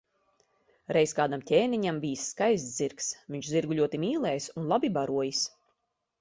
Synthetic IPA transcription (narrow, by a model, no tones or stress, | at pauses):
ɾɛjskaːd̪amtʲeːniɲambijsːkajsziɾksviɲt͡ʃziɾɡuʎʲuɔt̪imiːlˠɛːjsunlˠabibaɾuɔjis